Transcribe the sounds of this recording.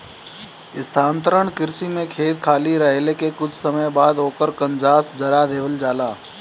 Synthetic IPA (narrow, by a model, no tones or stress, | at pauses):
ɪst̪ʰãːnt̪əɾəɳkɪɾsimẽkʰeːt̪̚kʰaːliɾəɦelekekʊt͡ʃʰsəməjbaːd̪ɦoːkəɾkə̃nd͡ʒaːsd͡ʒɐɾad̪eːʋəld͡ʒaːlaː